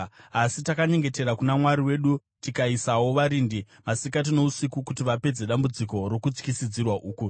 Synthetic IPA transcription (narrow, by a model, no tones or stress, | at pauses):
asitakaɲe̞ŋɡe̞te̞ɾakunamwaɾiwe̞ɗu | tikaisawo̞ʋaɾindi | masikat̬ino̞usikukutiʋape̞d͡ze̞ɗambud͡ziko̞ɾokut͡skisid͡zirwaʔuːku